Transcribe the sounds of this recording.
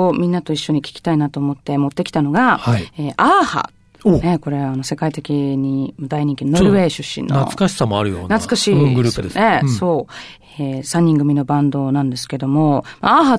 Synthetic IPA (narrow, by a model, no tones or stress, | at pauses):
omʲĩnːat̪o̞iɕːo̞ɲ̟ikʲi̥kʲi̥t̪ainat̪o̞ːmo̞t̪ːe̞mo̞t̪ːe̞kʲi̥t̪ano̞ɡaaieːʔaha̰ | neko̞ɾe̞βaːno̞se̞kait̪e̞kʲiɲ̟imad̪aiɲ̟ĩŋkʲinonɾɯβe̞ːɕɨɕːḭ̃nːoa̰sɨ̥kaɕi̥samoaɾɯ̟jo̰nnat͡sɨ̥kaɕĩːŋɡɯɾɯɯd̪ene̞so̞ː | esãɲ̟ːĩŋɡɯ̟mʲino̞bãnd̪onãnd̪e̞sɨ̥ke̞d̪o̞mo̞maaɦa